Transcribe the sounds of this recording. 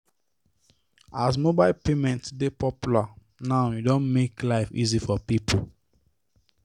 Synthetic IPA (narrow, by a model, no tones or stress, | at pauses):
as̬mobaɪlpemɛ̃ntsdepɔpjula | naʊjudõnmeklaɪfḭzifɔpipʰo